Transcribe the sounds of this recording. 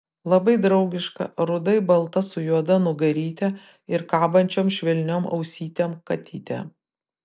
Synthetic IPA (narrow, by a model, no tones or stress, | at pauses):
lˠɐbɐɪd̪ɾɐʊɡʲɪʃkɐ̰ɾʊd̪ɐɪbɐlˠt̪ɐsʊjuɔd̪ɐnʊɡɐɾʲiːt̪ʲɛ | ɪɾkɑːbɐnʲt͡ʃʲoːmʃʲʋʲɛlʲnʲomɐ̰ʊsʲiːt̪ʲɛmkɐt̪ʲiːt̪ʲɛ̰